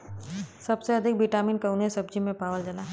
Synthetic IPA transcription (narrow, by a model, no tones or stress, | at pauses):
sɐbseɐd̪ʱɪk̚biʈaːmiːnkɐʊnesɐb̚d͡ʒimẽpaːʋəld͡ʒɐlaː